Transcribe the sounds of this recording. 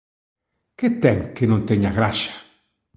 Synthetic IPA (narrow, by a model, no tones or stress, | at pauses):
ket̪eŋkenõnt̪eɲaɣɾaʃjḁ